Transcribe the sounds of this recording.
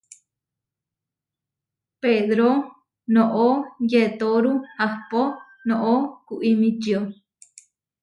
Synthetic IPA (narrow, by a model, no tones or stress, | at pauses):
peðɾo | nõʔojet̪oɾuhahpo | nõʔokuʔimĩt͡ʃio